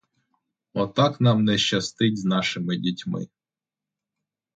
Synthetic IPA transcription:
ɔt̪ɑknɑmnɛʃt͡ʃɐst̪ɪdʲznɑʃɪmɪdʲitʲmɪ̰

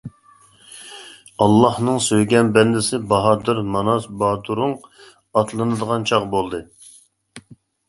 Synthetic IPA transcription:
ɑlˠːɑhnɨŋsøjɡʲɛnbɛnd̪ɪsɪbɑɦɑd̪ɨɾmɑnɑsbɑːd̪uɾʊŋ | ɑt̪lˠɨnɨd̪əʁɑnt͡ʃʰɑʁbolˠd̪ɨ

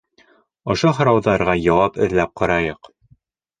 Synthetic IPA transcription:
ŏʃoɦŏɾɑwðɑɾʁɑjɒwɑpɘ̆ðlæp̚qɑɾɑjɤq

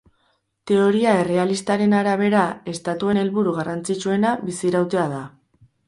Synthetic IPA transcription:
t̪e̞o̞ɾiae̞re̞alist̪aɾe̞naɾaβ̞e̞ɾae̞st̪at̪ue̞ne̞lβuɾuɣ̞arant͡sit͡ʃue̞naβisiɾawt̪e̞aða

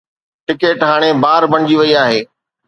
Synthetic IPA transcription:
ʈɪkeːʈɦaːɽ̃ebaːɾbʱɐɽ̃ɪd͡ʑiʋɐiaːɦeː

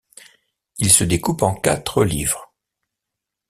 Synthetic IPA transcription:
ilsəd̪ekupɑ̃ka̰t̪χəlivʁ

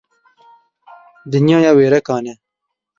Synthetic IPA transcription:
d̪ɪnjɑːjaːweːɾɐkɑːne

